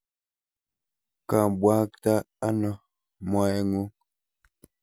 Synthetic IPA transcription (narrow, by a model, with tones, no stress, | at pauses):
kã˨bwa˦k̚ta˦ | a˦nɔ˨ | mɔ˨ɛ˦ŋu˦